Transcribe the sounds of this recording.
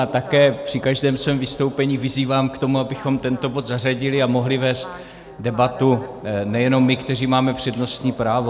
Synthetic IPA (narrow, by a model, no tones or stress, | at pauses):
at̪akɛːpr̥ɪkaʒdɛːmsvɛːmvɪst̪o̞wpɛɲiːvɪziːvaːmkt̪o̞muabɪxo̞mt̪ɛnt̪o̞bo̞d̪zar̝aɟɪlɪamo̞ɦlɪvɛːst̪ | dɛbat̪unɛjɛno̞mːɪkt̪ɛr̝iːmaːmɛpr̝̥ɛdno̞st̪ɲiːpɾaːvo̞